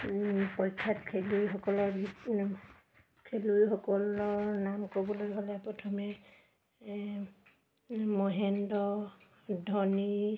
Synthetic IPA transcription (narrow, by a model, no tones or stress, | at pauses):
pɔjtʰːatkʰelujxɔkɔlɔɹbʱi | kʰelujxɔkɔlɔɹnamkobɔlojɦalɛpɹɔtʰɔmɛ | mɔɦɛndɔ | dʱɔni